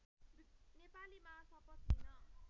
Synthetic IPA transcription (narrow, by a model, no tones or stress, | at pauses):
bnepalimasʌpʌt̪ːinʌ